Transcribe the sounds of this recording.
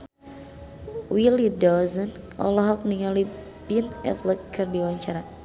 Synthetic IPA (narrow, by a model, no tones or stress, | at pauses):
wilidɔzən | ɔ̰lɔɦɔk̚niŋali | binɛ̰t̪ləkɨrdiwaɲt͡ʃaɾa